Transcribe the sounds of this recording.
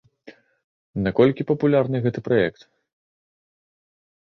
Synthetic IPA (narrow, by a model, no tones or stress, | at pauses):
nɐkɔlʲkʲipɐpulʲarnɨɣɛt̪ɨpɾajɛkt̪